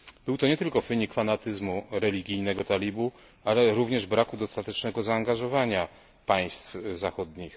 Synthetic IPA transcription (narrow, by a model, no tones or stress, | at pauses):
b̥ɘwt̪ɔɲɛt̪ɘlkɔfɘɲikfanat̪ɘzmuɾɛlʲiɡʲijnɛɡɔt̪alʲibu | alɛɾuvɲɛʐbɾakud̪ɔst̪at̪ɛt͡ʂnɛɡɔzaːŋɡaʐɔvaɲa | paj̃st̪fzaxɔd̪ɲix